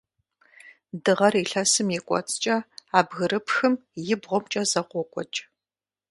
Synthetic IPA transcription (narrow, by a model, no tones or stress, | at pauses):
dɨʁɐriɬɐsɨmjɪkʷʼɔ̰t͡sʼt͡ʃʼɐaːbɣɨrɨpxɨmjɪbʁʷɔmt͡ʃʼɐzɐqʷɔkʷʼɔt͡ʃʼ